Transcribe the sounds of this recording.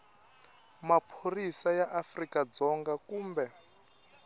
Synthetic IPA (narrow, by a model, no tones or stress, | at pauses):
mapʰorisajaʔafrikad͡zɔŋɡakuːmbɛ